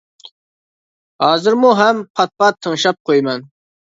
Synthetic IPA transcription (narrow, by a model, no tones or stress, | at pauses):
hɑːzɨɾmuɦɛmpʰɑt̪̚pɑt̪ʰːəŋʃɑp̚qʰojmɛn